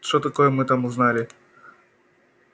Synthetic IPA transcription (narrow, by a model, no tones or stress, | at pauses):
ʂt̪ot̪ɐkojəmɨt̪amʊznalʲɪ